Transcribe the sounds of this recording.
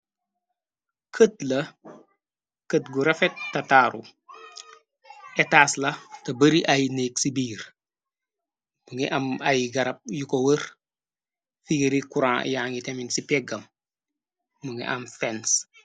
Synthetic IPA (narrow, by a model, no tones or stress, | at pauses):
kʰət̚lɐ | kətɡuɾɐfetːɐtaːɾu | etaːslɐtɐbəɾiʔɐjneksibiːɾ | m̥uŋiʔɐmɐjɡɐɾɐp̚jukowəɾ | fiɡeɾikuɾãːjaːŋiteminsipɛɡɐm | uŋḭʔɐmfɛns